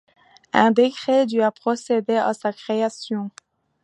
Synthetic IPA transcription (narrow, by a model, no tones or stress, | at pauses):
ɛ̃d̪ekχed̪yapχɔsed̪ea̰sakχeasjɔ̃